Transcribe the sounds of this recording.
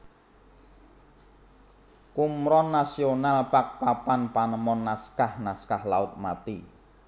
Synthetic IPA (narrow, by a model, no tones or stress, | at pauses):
kumɾɔnːasionalpak̚papanpanəmɔnːaskahnaskahlaʊt̪̚mat̪ḭ